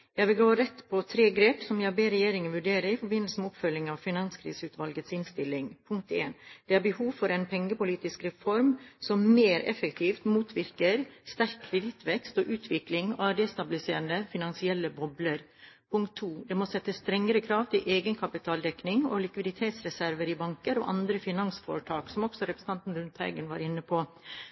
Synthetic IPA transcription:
jæɪʋɪlɡoːɾɛt̪ːpʰɔt̪ʰɾeːɡɾeːpsɔmjɑbeːɾɛjeːɾɪŋənʋʉɖeːɾəɾɪfɔɾbɪnəlsəmɛɔpfœlːɪŋɑʋfɪnɑnskʰɾḭːsəʉːt̪ʋɑlɡət̪sɪnst̪ɪlːɪŋpʰʊŋk̚t̪ḛːnd̪̥ɛæɾbəhuːʋfɔɾɛnpʰɛŋːəpʊliːt̪ɪskɾɛfɔɾmsɔmmeɾɛ̰fəkt̪ʰiːft̪muːt̪ʰʋɪɾkəɾst̪æɾkkːʰɾɛd̪ɪt̪ʰʋɛkst̪ɔːʔʉːt̪ʰʋɪklɪŋɑːɖɛst̪ɑbɪlɪsḛːɾənd̪əfɪnɑnsɪɛlːəbɔbləɾ | pʰʊŋkt̪ʰːuːd̪ɛmosɛt̪ːəst̪ɾɛŋːəɾəkʰɾɑːʋt̪ʰɪlʔeːɡənkʰɑpɪt̪ʰɑːld̪ɛknɪŋɔ̰lɪkʋɪd̪ɪt̪ʰeːt̪sɾɛsæɾʋəɾɪbɑŋkəɾɔ̰ːʔɑ̰nd̪ɾəfɪnɑnsfo̰ːɾəʈʰɑːksɔmɔksɔɾɛpɾəs̩n̩t̪ɑnt̪n̩ɾʉnt̪ʰhæ̰ɪɡənʋɑ̰ːɾɪnːəpʰoː

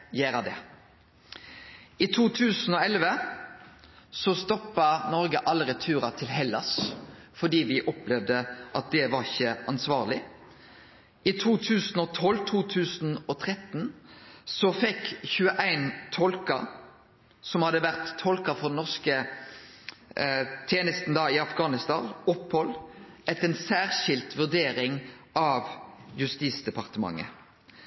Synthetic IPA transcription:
jæːɾɑd̪ɛ̰ | ɪt̪ʰuːt̪ʰʉːsn̩ɔɛlʋə | sɔst̪ɔpːɑnɔʁɡəʔɑlːəɾət̪ʰʉːʁɑt̪ʰɪlɦɛlːɑ̰sfɔd̪iːʋɪʔɔplɛʋd̪əʔɑt̪̚d̪ɛʋɑʁɪçəʔɑnsʋɑːʁlɪ | ʔɪt̪ʰuːt̪ʰʉːsn̩ɔt̪ʰɔlt̪ʰuːt̪ʰʉːsn̩ɔt̪ʰʁɛt̪nsɔfɛkːçʉːəʔæɪnt̪ʰɔlkɑ | sɔmhɑd̪əʋæʁt̪ʰːɔlkɑfɔd̪ɛnɔʁskə | t̪ʰeːnəst̪n̩d̪ɑɪɑfɡɑːnɪst̪ɑ̰ːnɔpːhɔlɛt̪ɛnsæːʁʃɪlt̪ʋʉʁd̪eːɾɪŋʔɑʋjʉst̪iːsd̪ɛpɑʁt̪əmɑ̰ŋːə̰

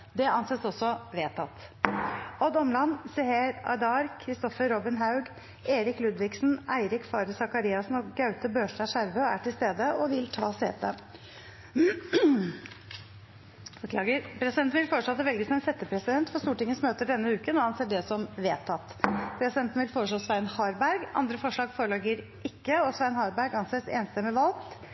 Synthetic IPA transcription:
d̪ɛɑnseːsɔsːɔʋeːt̪ʰɑt̪ | ɔd̪ɔmlɑnːsɛheːɾɑ̰d̪ɑɾkʰɾɪst̪ɔfəɾːɔbɪnɦɑʉɡ | eːɾɪklʉd̪ʋɪksnæɪɾɪkfɑːɾəsɑkɑɾiːɑsnɔɡɑʉt̪əbøːʂɖæʂæɾʋəæ̰ʈɪlst̪eːd̪əʔɔʋɪlt̪ʰɑːseːt̪ə | ɔkʰlɑːɡəpʰɾɛsɪd̪ɛnn̩ʋɪlfoːɾəʂɭoːt̪ːɛʋɛlɡəsɔmɛnsɛt̪ːəpʰɾɛsɪd̪ɛnt̪fɔʂst̪uːʈɪŋːənsmøːt̪əɖɛnːəʉːkənːɔhɑnseːɖɛsɔmʋeːt̪ʰːɑt̪ːpʰɾɛsɪd̪ɛnt̪n̩ʋɪlfoːɾəʂɭoːsʋæɪnhɑɾbæɾɡɑ̰nd̪ɾəfɔʂɭɑːɡfoːɾəɭɑːɡəɾ | ʔɪkːəɔsʋæɪnhɑːɾbæɾɡɑnseːsḛːnst̪əmɛʋɑlt̪

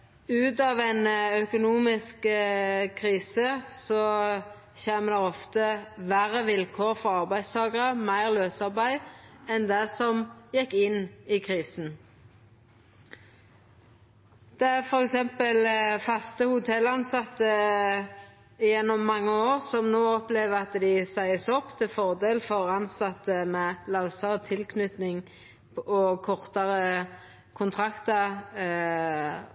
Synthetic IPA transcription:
ʉːt̪ɑːʋæɪnœkʊnuːmɪsk | kʰʁiːsəsɔ | çeːməd̪ɛɔft̪əʋæʁəʋɪlkʰoːʁfɔɾɑʁbæɪst̪ʰɑːɡəʁəmæɪʁløːsɑʁbæɪɛnd̪ɛsɔmjɛkːɪnikʰʁiːsn̩ | d̪̥ɛæfɔɾɛksɛmpəlfɑst̪əhʊt̪ʰɛlɑnsɑt̪ːə | ɪjɛnːʊmːɑŋːəoːʁsɔmnoːɔpleːʋəɑt̪d̪ɪsæɪəsɔpːt̪ʰɪlfɔʁd̪eːlfɔʁɑnsɑt̪ːəmɛlɑʊsɑʁət̪ʰɪlkʰnʉt̪nɪŋ | ɔkʰɔʁt̪ɑʁə | kʰʊnt̪ʰʁɑkt̪ə

